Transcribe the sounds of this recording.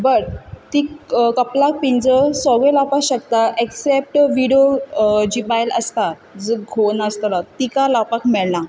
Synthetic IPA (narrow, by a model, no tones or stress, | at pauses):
bəɾt̪ikəplak̚pind͡zəsɔɡɭelapakɕək̚t̪aʔeksep̚ʈʋiɽijod͡ʑiːbajlə̰st̪a | d͡zəɡʱonəst̪lat̪ikalapakmɛɭna